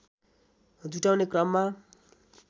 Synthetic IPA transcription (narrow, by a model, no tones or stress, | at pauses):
d͡zuʈawnekrʌmːa